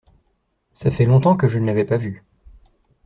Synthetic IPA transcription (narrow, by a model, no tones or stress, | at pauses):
safɛlɔ̃t̪ɑ̃kəʒənavɛpavy